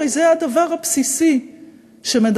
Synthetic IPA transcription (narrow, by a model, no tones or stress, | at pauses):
ejzead̪avaʁhapsisi | ʃe̞med̪